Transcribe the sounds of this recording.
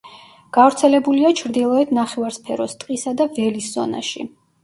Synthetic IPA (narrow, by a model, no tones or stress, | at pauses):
ɡ̥avɾt̪sʰɛlɛbuliat͡ʃʰɾd̪ilˠɔɛt̪ʰnaχɛvaɾspʰɛɾɔst̪ʼqʼisad̪avɛlisz̥ɔ̰na̰ʃḭ